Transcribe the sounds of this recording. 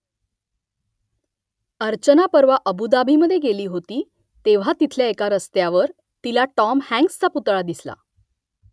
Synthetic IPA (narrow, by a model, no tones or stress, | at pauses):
əɾt͡ɕənapəɾʋaʔəbud̪abʱiməd̪ʱːjeɡeliːɦot̪iː | t̪eʋ̤at̪it̪ʰljaekaɾəst̪jaʋəɾ | t̪ilaʈɔmhæ̃ŋkst͡saput̪ɭad̪isla̰